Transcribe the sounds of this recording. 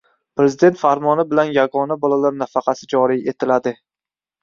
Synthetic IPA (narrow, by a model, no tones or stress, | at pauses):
pɾe̞zɪd̪e̞nt̪faɾmɒnɪbɪlanjaɡɒnabɒlalaɾnafɑqʰɑsɪd͡ʒɒɾije̞t̪ʰɪlad̪ɪ